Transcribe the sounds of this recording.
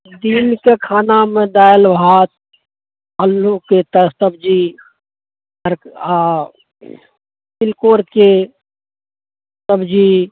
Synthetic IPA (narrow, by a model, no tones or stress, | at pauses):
d̪iːnkekʰaːnamẽd̪aːjəlʋʱaːt̪̚ | əlːoket̪əst̪əb̚d͡ʒi | əɾ | tɪlkoːɾke | t̪əbd͡ʒi